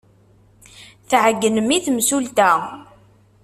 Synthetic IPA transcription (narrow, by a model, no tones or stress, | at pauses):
θʕəɡːənəmiθmsult̪æ